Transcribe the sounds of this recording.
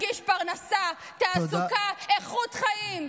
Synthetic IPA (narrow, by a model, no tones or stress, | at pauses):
ɡiʃpaʁnasa | t̪aːsukaeχut̪χaim